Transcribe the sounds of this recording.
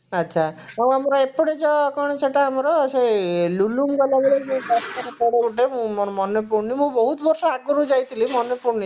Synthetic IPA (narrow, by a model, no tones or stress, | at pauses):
ətːʃʰa | aw̃amɔɾɔepɔɽed͡ʒɔkɔɽ̃ɔt͡ʃʰeʈaːmɔɾɔselulumɡɔlabeɭemũkaskɔɾɔpɔɽauʈemũmɔmɔnɔpuɾnimũbɔɦut̪bɔɾsɔaɡɔɾud͡ʒajt̪ʰilimɔnɔpuɾni